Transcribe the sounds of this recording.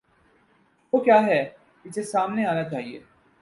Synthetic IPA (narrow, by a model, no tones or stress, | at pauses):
ʋokjaːɦɛː | kɪsesaːmneaːnat͡ʃaːɦiḛː